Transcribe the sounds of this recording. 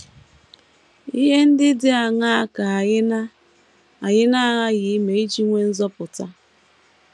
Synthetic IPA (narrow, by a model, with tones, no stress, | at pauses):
i˦ɦe˦n̩˦dɪ˦dɪ˦a˨ŋa˦a˦ka˨˦n˦ | a˨ɲɪ˦na˦a˦˨ɣa˦ɣɪ˨˦me˨i˦t͡ʃi˦ŋʷe˦n̩˦zɔ˦pʊ˨ta˦